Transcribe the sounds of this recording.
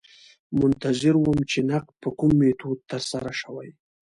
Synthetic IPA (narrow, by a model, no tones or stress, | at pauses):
mʊnt̪azɪɾwəmt͡ʃenaq̚pəkumːet̪ʰod̪̚t̪əɾsaɾaʃəwaj